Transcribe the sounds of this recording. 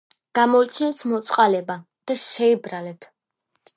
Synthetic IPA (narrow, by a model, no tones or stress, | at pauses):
ɡ̥amɔit͡ʃʰinɛt̪ʰmɔt̪sʼqʼalɛba | d̪̥aʃɛibɾalɛt̪ʰ